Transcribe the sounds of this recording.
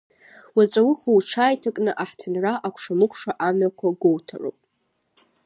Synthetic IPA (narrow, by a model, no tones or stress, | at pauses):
wat͡ʃʷʼawʊχawʈ͡ʂʰaːjtʰakʼnɨʔaħtʰɨnraʔakʷʰʂamɨkʷʰʼʂaʔamakʷʰaɡʷowtʰa̰ro̰pʼ